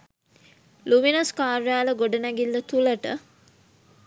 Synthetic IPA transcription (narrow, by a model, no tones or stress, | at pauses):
luminɐskaːɾjaːləɡoɖənæɡilːət̪ulɐʈə̰